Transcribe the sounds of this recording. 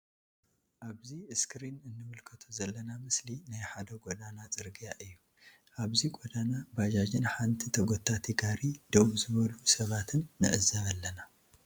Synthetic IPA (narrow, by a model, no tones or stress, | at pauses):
ʔaβziɨskɾinɨnːɨmɨlkʰɐt̪ʰuzɐlːɐnamɨslinajħad̪ɐɡod̪anat͡sʼɨɾɡijaʔɨjːu | ʔaβziɡʼod̪anabad͡ʒad͡ʒɪnħant̪ʰit̪ʰɐɡʷot̪ʰːat̪ʰiɡaɾid̪̥oβuzɨβɐlusɐβat̪ʰɨnːɨ̰ʔɨzɐβalːɐna